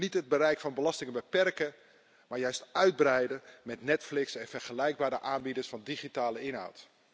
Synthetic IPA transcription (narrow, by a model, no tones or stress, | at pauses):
nitɦəd̚bəɾɛjkfɑnbəlɑstɪŋəbəpɛrkə | maːɹjœɥstœɥd̚brɛjdəmɛtnɛtflɪksɛnvɛɹχəlɛjɡ̚baːɾəʔaːnbidəɹsfɑndiχitaːləɪnɦa̰wt